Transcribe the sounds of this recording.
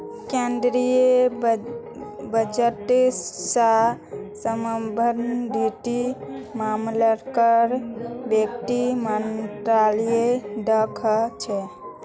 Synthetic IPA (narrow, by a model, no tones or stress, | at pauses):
kend̪ɾije | bəd͡ʒəʈsasəməbʱəɾnbʱiʈimamləɾkəɾbjekt̪imənʈɾalijeɖəkʰt͡ʃʰɛ